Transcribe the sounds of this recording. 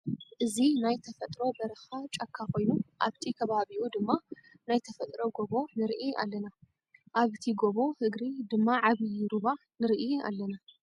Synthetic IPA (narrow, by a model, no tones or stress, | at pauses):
ʔɨzinajt̪ʰɐfɐt̪ʼɾo̞bɐɾɨxat͡ʃʼakʰːakʰo̞jnuʔa̰βt̪ʰikʰɐβaβiʔud̪ɨmːa | najt̪ʰɐfɐt̪ʼɾo̞ɡo̞βo̞nɨɾʔia̰lːɐna | ʔaβt̪ʰiɡoβo̞hɨɡɾid̪ɨmːaʕaβiɾuβa | nɨɾiʔia̰lːɐna